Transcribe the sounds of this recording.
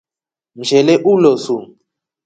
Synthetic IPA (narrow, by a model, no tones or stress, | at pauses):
m̩ʒɛlɛʔulosu